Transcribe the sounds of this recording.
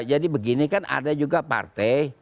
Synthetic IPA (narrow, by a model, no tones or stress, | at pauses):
d͡ʒadibəɡinikanʔa̰dad͡ʒuɡapa̰rt̪ɛj